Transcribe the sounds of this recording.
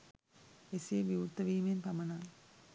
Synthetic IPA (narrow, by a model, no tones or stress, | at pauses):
esieʋiut̪ːɐʋiːmenpɐmɐnaːŋ